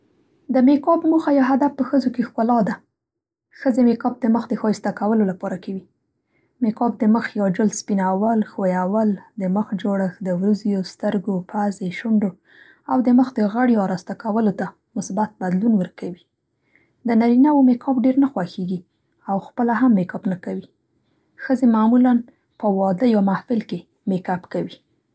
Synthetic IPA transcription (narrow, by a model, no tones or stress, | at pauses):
d̪əmekɑbmuxajaɦad̪afpəxəzokexkʊlɑd̪a | xəzemekɑb̚d̪əməxd̪əxɑjst̪akawəlolapɑɾakawi | mekɑb̚d̪əməxjɑd͡ʒʊlspinawalxojawald̪əməxd͡ʒoɽəxd̪əwɾuzjost̪əɾɡopʰazeʃʊɳɖo | awd̪əməxd̪əɣaɽjoɑɾast̪akawəlot̪a | mʊsbat̪̚bad̪lunwəɾkawi | d̪ənaɾinawomekʰɑbɖeɾnaxwaxeɡi | awxpəlaɦamːekɑbnakawi | xəzemamulan | pəwɑd̪əjɑmahfɪlke | mekapkawi